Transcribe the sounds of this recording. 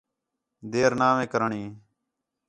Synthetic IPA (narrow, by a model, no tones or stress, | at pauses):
d̪eːɾnaːʋẽːkəɾəɳiː